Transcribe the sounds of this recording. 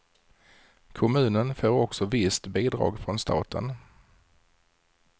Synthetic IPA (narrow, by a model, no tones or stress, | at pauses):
kʰʊmʉ̟ːnənføːɾɔksɔvɪst̪biːd̪ɾɑ̰ːɡfɾɔnst̪ʰɑ̰ːt̪ʰə̰n